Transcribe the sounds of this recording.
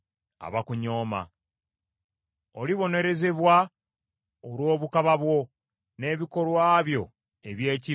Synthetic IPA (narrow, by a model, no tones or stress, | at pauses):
a̰βakuɲo̞ːma̰ | o̞liβo̞ne̞ɾe̞ze̞βwa | olwo̞ːβukaβaβwo̞ | ne̞ːβiko̞lwaːβjo̞̰ | e̞βje̞ːci